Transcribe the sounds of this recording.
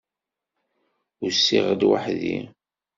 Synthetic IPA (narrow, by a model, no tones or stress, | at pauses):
ʊɾsːiʁəd̪wa̰ħðḭ